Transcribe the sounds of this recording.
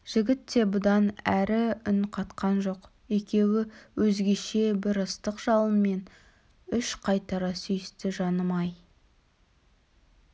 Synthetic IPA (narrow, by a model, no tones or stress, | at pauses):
ʒ̥ɪɡʲɪt̪ːe̞bʊd̪ɑnæɾɪʏnqʰɑt̪qɑnʒo̞q | e̞kʲe̞wɪwɵzɡʲe̞ʃe̞bɪɾəst̪əqʒ̥ɑlˠənme̞n | ʏʃqʰɑjt̪ɑɾɑsʏjɪst̪ɪʒɑnəmɑj